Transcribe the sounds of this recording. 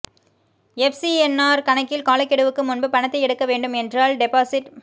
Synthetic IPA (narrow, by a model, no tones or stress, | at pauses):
ɛfsiɛnːaːɾkɐɳɐkːɪlkaːlɐkːɛɽɯʋɯkːɯmʊnbɯpɐɳɐt̪ːɐɪɛɽɯkːɐʋeːɳɖɯmɛndraːlɖɛpaːsɪʈ